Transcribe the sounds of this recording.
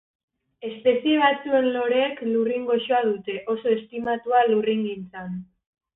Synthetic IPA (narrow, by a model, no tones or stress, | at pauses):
e̞spe̞sie̞βat͡sue̞nlo̞ɾe̞ːkluriŋɡo̞ʃoaðut̪e̞ʔo̞so̞est̪imat̪ualuriŋɡint͡san